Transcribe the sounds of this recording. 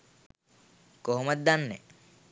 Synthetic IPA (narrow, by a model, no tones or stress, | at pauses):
koɦomət̪̚d̪anːe